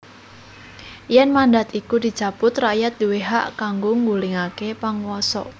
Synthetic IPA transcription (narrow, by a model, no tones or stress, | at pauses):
jɛnmandat̪ikud̪i̤t͡ʃapʊt̪rajat̪̚d̪̥uweɦa̰ʔkaŋɡoŋɡuliŋakepaŋwɔsɔ̰ʔ